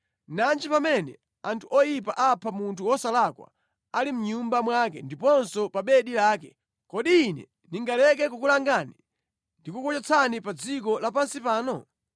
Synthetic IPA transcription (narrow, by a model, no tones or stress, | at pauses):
nand͡ʒipamɛnɛ̰ | antʰuʔɔjipaʔapʰamuntʰuwɔsalakwa̰ | alim̩ɲumbamwak̬ɛ̰ndipɔnsɔpaɓɛɗilaːkɛ | kɔɗiːnɛ̰ | niŋɡalɛk̬ɛk̬ukulaŋɡani | ndikukɔt͡ʃɛt͡sʰanipad͡zik̬ɔlapansipaːnɔ